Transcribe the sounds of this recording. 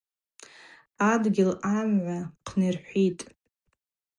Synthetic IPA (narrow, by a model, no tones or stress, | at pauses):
adɡʲɪlamʕʷaqʰnerħʷitʼ